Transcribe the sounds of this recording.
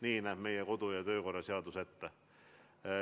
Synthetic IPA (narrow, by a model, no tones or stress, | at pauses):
niːnæhmeijækot̪ojɑt̪øikorɑseɑt̪uset̪ːæ